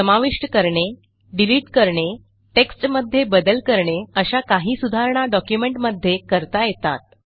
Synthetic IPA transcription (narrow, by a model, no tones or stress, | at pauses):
səmaʋiʂʈəkəɾɳe | ɖiliːʈkəɾɳe | ʈeksʈməd̪ʱːjebəd̪əlkəɾɳeəɕakaɦiːsud̪ʱaɾɳ̃aɖɔkjumeɳʈməd̪ʱːjekəɾt̪ajet̪a̰t̪̚